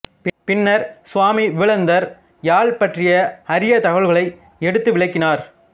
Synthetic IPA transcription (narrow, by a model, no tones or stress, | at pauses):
pɪnːɐɾsʊʋaːmiʋɪʋɐɭɐnd̪ɐɾ | jaːɭpɐʈrɪjɐɐɾɪjɐt̪ɐɣɐɭɣɐɭɐɪ | ɛɽɯt̪ːɯʋɪɭɐɪkːɪnaːɾ